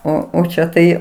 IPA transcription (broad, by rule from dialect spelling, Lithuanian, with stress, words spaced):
ˈoː oː ˈt͡ʃʲɛ tɐɪ